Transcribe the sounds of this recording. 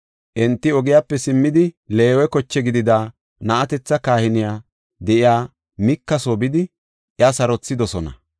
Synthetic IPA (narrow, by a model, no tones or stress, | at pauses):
ʔɛnt̪ːɪɔɡɪjapːɛsɪmːɪd̪ɪle̞ːwɛkɔt͡ʃːɛɡɪd̪ɪd̪aː | nɐʔɐt̪ɛt͡sːɐkaːhɪnɪjaː | d̪ɛʔɪjaː | mɪkːɐsoːbɪd̪ɪ | ʔjɐsɐɾɔt͡sːɪd̪ɔsɔnɐ̰